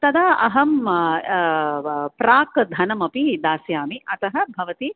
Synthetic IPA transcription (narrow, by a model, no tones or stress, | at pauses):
t̪ɐd̪aːʔɐɦɐm | pɾaːkd̪ʱɐnɐmɐpid̪aːsjaːmiɐt̪ɐɦɐ̆bʱɐʋɐt̪i